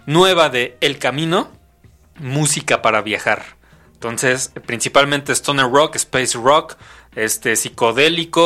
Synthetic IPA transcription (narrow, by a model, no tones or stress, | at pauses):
nwe̞β̞aðe̞ːlkamĩno̞ | musikapaɾaβjaxaɾ | ent̪o̞nse̞spɾinsipalmẽnt̪est̪onerokespejsrok | est̪e̞siko̞ðe̞liko